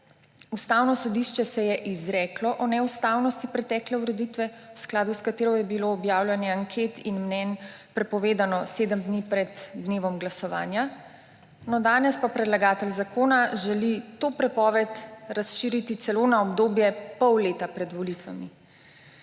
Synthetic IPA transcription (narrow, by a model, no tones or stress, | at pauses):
ust̪aːwnɔsɔd̪iʃt͡ʃɛsɛjɛʔizɾɛklɔʔɔnɛust̪aːwnɔst̪ipɾɛt̪ɛːklɛuɾɛd̪it̪ʋɛwsklaːd̪uskat̪eːɾɔjɛbiloːbjaːwlʲjɛnjɛaŋkʰet̪inmnɛnpɾɛpɔʋeːd̪anɔsed̪əmd̪nipɾɛd̪d̪neːʋɔmɡlasɔʋa̰ːnja | nɔd̪aːnɛspapɾɛd̪laɡaːt̪ɛlzakoːnaʒɛlit̪oːpɾɛpɔːʋɛt̪ɾasʃiːɾit̪it̪sɛlonaɔbd̪oːbjɛpɔwleːt̪apɾɛd̪ʋɔlit̪ʋa̰mi